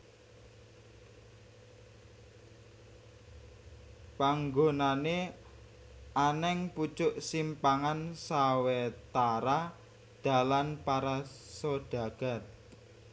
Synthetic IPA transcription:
paŋɡonane | ʔanɛŋput͡ʃʊʔsimpaŋansawet̪aɾa | ɖ̪̥a̤lanpaɾasoɖ̥a̤ɡ̥a̤t̪̚

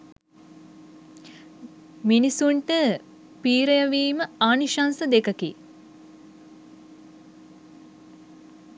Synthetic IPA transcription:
minisuɳʈə | piːɾəjəʋiːməaːniʃansəd̪ekəki

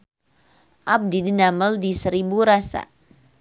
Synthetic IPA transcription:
ʔab̚didinaməldisəɾibuɾasa̰

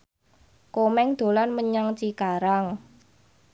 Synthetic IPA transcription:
komɛŋd̪̥o̤lanməɲaŋt͡ʃikaɾaŋ

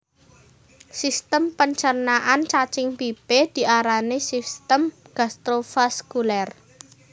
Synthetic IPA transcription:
sist̪əmpəɲt͡ʃərnaʔant͡ʃat͡ʃɪŋpib̥ed̪̥i̤ʔaɾanesist̪əm | ɡ̥a̤st̪ɾofaskulɛr

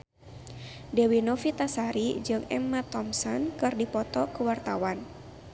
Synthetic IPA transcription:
dɛwinɔfit̪asaɾid͡ʒɨŋɛ̰mːat̪ɔmsɔnkɨrdipɔt̪ɔkuwart̪awan

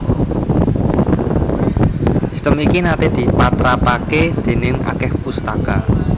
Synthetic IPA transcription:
si̥st̪əmikinat̪ed̪̥i̤pat̪ɾapaked̪̥e̤nɪŋa̰kɛhpust̪aka

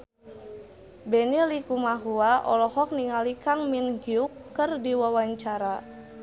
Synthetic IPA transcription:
bɛnilikumaɦuaʔɔ̰lɔhɔk̚niŋalikaŋminhiukːɨrdiwawaɲt͡ʃaɾa

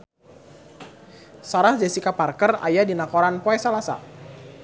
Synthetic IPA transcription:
saɾahd͡ʒasikaparkəra̰jadinakoɾanpoɛsalasa̰

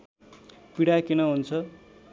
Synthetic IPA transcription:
piɽakinʌɦunt͡sʰʌ

